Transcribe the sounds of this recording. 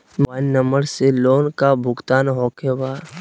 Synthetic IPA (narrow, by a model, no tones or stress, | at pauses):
manːəməɽseloːnkabʱʊɡt̪aːnɦoːkebaː